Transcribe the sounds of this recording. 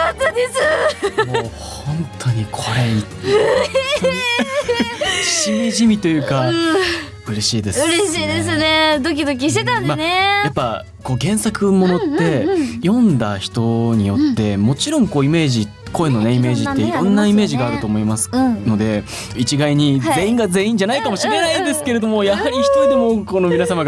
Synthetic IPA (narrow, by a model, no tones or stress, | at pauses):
at̪ːad̪esɨmo | hõ̞nt̪ʰo̞ɲ̟ikʰo̞ɾe̞it̪ː | ɕimʲiʑimʲit̪o̞jɯ̟ːka | ɯ̟ɾe̞ɕiːd̪e̞sɯɾeɕiːd̪es̬ɨned̪o̞k̬ʲid̪o̞k̬ʲiɕt̪e̞t̪ãnmanejapːa | ko̞ːɡẽ̞ɰ̃sakɯ̟mo̞no̞t̪ːe̞jõ̞nd̪açi̥t̪o̞ɲ̟ijo̞t̪ːe̞mo̞t͡ɕiɾõ̞ŋko̞ːime̞ːʑi | ko̞eno̞ne̞ime̞ːʑit̪ːe̞iɾõ̞nːaime̞ːʑiɡaːɾɯ̟t̪o̞ːmo̞imasɨ̥no̞d̪e̞ | it͡ɕiɡaiɲ̟ize̞ːĩŋɡaze̞ːĩɲ̟d͡ʑanaikamo̞ɕime̞naĩnd̪e̞sɨ̥ke̞ɾe̞d̪o̞mo̞jahaɾʲiçi̥t̪oid̪e̞mo̞ko̞no̞minasamaɡ